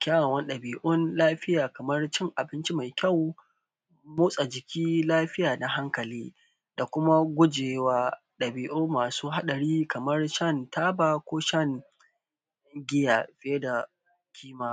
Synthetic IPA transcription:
kʲaː˦wa˨wɐ˦nɗɐ˨biː˨ʔʊ˦nlaː˦ɸɪ˦jaː˨kɐ˨mɐ˦rt͡ʃɪ˦ŋʔa˨bɪ˦nt͡ʃi˦ma˨jkʲa˦˨w | mʊː˦sʼa˨d͡ʒɪ˨kʲʰiː˦laː˦ɸɪ˦jaː˨na˦ɦa˦ŋkɐ˨liː˦ | d̥a˨kʷʊ˦ma˦ɡʷʊ˦d͡ʒeː˨waː˦ | ɗɐ˨biː˨ʔʊ˦mːaː˨suː˦ɦa˦ɗɐ˨ɾiː˦kɐ˨mɐ˦rʃɐ˦˨ntaː˦baː˨kʷoː˦ʃɐ˦ŋ | ɡʲɪ˦jaː˨ɸɪ˦jɐ˦da˨ | kʲʰiː˦maː˦

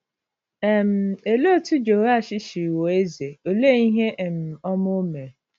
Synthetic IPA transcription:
ɛ˦m̩˦e˨lo˦tʊ˦d͡ʒo˨ɾa˦˨ʃɪ˦ʃi˨wo˨e˦ze˨o˨le˦i˦ɦe˦ʔm̩˨ɔ˦mʊ˦me˨ɾe˨

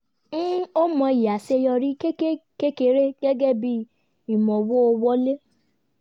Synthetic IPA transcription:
n̩˦o˦mɔ̃˧i˨ja˨se˧jɔ˧ɾi˦ke˦ke˦ke˦ke˧˦ɾe˦ɡɛ˦ɡɛ˦bi˦ | i˨mɔ̃˨wo˦o˧wɔ˦le˦

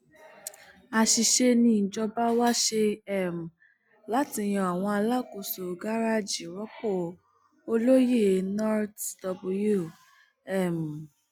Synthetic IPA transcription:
a˨ʃi˨ʃe˧nĩ˧˨n̩˨d͡ʒɔ˧ba˦wa˦ʃe˧ɛ˦˨m̩˨ | la˨˦ti˧˦j̃ɔ̃˧˨a˨w̃ɔ̃˧a˧la˦˨ko˨so˨ɡa˦ɾa˦d͡ʒi˨ɾɔ˦ko˦˨ | o˧lo˦je˦˨nɔ˦tdɔ˧bu˧ju˦˨ | ɛ˦˨m˨

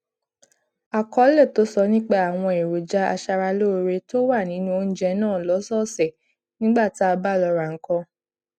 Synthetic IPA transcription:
a˨kɔ˦lɛ˦˨to˦sɔ˧nĩ˦k͡pa˦˨a˨w̃ɔ̃˧e˨ɾo˨d͡ʒa˨˦a̰˧ʃa˧ɾa˧lo˦˧ɾe˧to˦wa˦˨nĩ˨˦nũ˦o˧n̩˦d͡ʒɛ˧˦nãː˦˨lɔ˨˦sɔ˦sɛ˨ | nĩ˦ɡ͡ba˦˨ti˨˦a˧ba˦˨lɔ˧ɾa˨ŋ̩˨˦kɔ̃˧

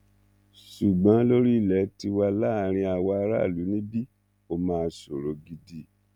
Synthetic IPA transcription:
ʃu˨ɡ͡bã˨˦lo˦ɾi˦˨lɛ˨˦ti˧wa˧la˦˨ɾ̃ĩ˧a˨wa˧a˧ɾa̰˦˨lu˨˦nĩ˦bi˦ | o˦˧mãː˨˧so˨ɾo˨˦ɡi˧di˦˨

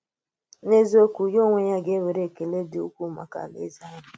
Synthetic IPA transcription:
ne˦zo˦kʷu˨jo˦ŋʷe˨ɲa˦ɡe˦we˨ɾe˨ke˨le˦dɪ˨u˦kʷu˦ma̰˨ka̰˨lḛ˦za˦ɲ˦˨

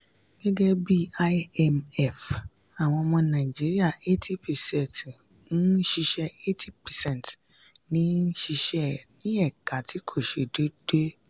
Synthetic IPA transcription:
ɡ̥ɛ˦ɡɛ˦bi˦a˦ɛ˧mɛ˨f | a˨w̃ɔ̃˧mɔ̃˧nã˨d͡ʒi˨˦ɾi˦a˦˨e˦tʰi˦pɛ˨sɛ˦˨t | n̩˦ʃi˧ʃɛ˦e˦tʰi˦pɛ˨sɛ̃˦˨n˨t | nĩ˦n̩˦ʃi˧ʃɛ˦nĩ˦ɛ˦˨ka˨˦tʰi˨˦kʰo˦˨ʃe˨˧do˦d̥e˦

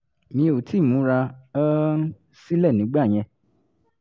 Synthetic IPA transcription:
mĩ˧o˨tʰi˨˦˨mũ˨˦ɾa˧ɔ˦n̩˦ | si˦lɛ˦˨nĩ˨˦ɡ͡ba˦˨j̃ɛ̃˧

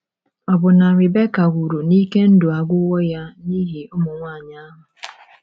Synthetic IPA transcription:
ɔ˨bʊ˨na˨ɾɪ˨be˦ka˨ɡʷu˨ɾu˨niː˦ke˦n̩˦dʊ˨a˨ɡʷʊ˦wɔ˦ja˦ni˦ɦi˨ʊ˦mʊ˨ŋʷa˦˨ɲa˦ɦʊ˨

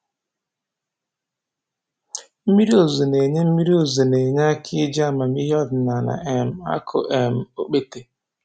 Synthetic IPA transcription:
m̩˦mi˦ɾi˦o˨zo˨ne˨ɲe˦m̩˦mi˦ɾi˦o˨zo˨ne˨ɲ˦a˦kʰɪ˦d͡ʒa˦˨ma˨m˦i˦ɦɔ˦dna˨na̰˨ʔe˨m̩˨a̰˦kʰo̰˨ʔe˨m̩˨o̰˦k͡pe˦te˨

